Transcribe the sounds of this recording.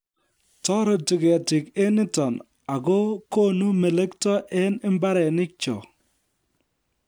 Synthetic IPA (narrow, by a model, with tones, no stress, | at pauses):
tɔ˦ɾɔ˨tɪ˨ɡe˨a˨ti˨ke˦nɪ˦tɔ˨n | a˨ɡo˦ko˦nu˦me˨le˦ktɔ˦ʔɛ˦nɪ˦mba˦ɾɛ˨nɪ˦k̚t͡ʃɔ̰˨